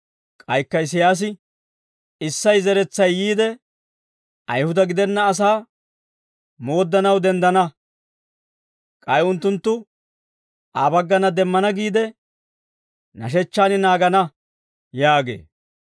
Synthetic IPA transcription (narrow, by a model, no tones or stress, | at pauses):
kʼɐjkːɐɪs̬ɪjaːs̬ɪ | ɪsːɐjzɛɾɛt͡sːɐjːiːd̪ɛ | ʔɐjhʊd̪ɐɡɪd̪ɛnːɐːs̬aː | mo̞ːd̪ːɐnɐwd̪ɛnd̪ɐnɐ | kʼɐjʊnt̪ːʊnt̪ːʊ | aːbɐɡːɐnɐd̪ɛmːɐnɐɡiːd̪ɛ | nɐ̰ʃ̬ɛt͡ʃːaːnɪnaːɡɐnɐ | jaːɡḛː